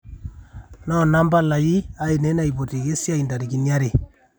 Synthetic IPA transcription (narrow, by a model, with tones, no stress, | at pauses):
nɔ˦na˦mba˦la˨ji˦a˦e˨ne˨˦na˦˨i˨po˨te˨ɣe˦sja˦i˨nda˨ɾi˨ki˨nja˦ɾe˨